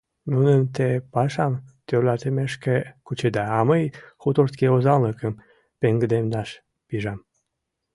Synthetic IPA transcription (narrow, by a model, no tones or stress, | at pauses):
nunəmt̪epɑʃɑmt̪ørlɑt̪emeʃkekut͡ɕed̪ɑːməjxut̪ort̪keozɑlnəkəm | peŋɡəd̪emnɑʃ | piʒɑm